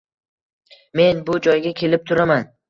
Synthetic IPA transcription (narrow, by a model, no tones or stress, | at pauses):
me̞nbʊd͡ʒɒjɡʲakʲʰe̞lɪp̚t̪ʰʊɾaman